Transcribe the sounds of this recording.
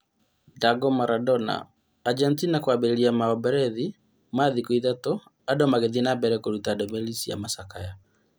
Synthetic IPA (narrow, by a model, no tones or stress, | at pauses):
daɡɔmaɾʔadɔna̰ː | d͡ʒɛntinakwabɛɾeɾiamaɔbɛɾɛði | maðikuiðatɔ | adɔmaɣeðinabɛɾɛkoɾutadɛmɛlisija̰masakaja